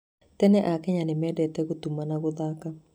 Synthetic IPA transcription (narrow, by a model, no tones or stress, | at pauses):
t̪ɛnɛʔakɛɲanɪmɛdɛtɛɡot̪umanaɡʊd̪aka